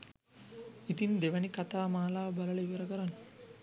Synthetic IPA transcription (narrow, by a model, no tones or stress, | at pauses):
it̪ind̪eʋɐnikat̪aːmaːlaːʋɐbɐlɐlɐiʋɐɾɐkɐɾan